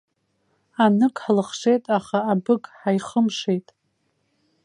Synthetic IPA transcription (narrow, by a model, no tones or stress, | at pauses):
anɨkʼħlɨχʂe̞jtʼaχaːbɨɡʼħajχəmʂe̞jtʼ